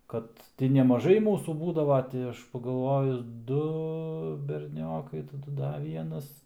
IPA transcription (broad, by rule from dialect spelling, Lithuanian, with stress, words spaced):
ˈkɐt tʲɪ nʲɛmɐˈʒɐɪ ˈmuːsuː ˈbuːdɐʋoː ˈtʲɪ ɐʃ pɐɡɐlˠˈʋoːjʊs ˈdʊ bʲɛrʲˈnʲoːkɐɪ tɐˈdʊ ˈdɐ ˈʋʲiɛnɐs